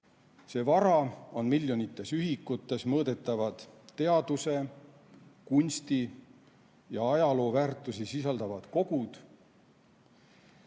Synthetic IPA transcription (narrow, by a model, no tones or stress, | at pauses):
se̞ːvɑɾɑo̞nmilʲjo̞nit̪ːˑe̞syɦikːˑut̪ːˑe̞smɤːd̪̥e̞t̪ːˑɑvɑd̪̥tːe̞ɑd̪use̞ | kunʲst̪i | jɑɑjɑlo̞ːvæːrt̪ːˑusisisɑld̪ɑvɑd̪̥ko̞ɡ̥ud̪̥